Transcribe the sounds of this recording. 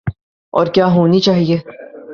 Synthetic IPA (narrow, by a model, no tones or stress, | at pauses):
ɔ̰ːɾkjaːɦoːnit͡ʃaːɦieː